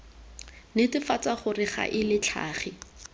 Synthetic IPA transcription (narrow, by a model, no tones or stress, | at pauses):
nɪtɪfat͡saχʊrɪχa̰ʔɪlɪt͡ɬʰa̰ːχɪ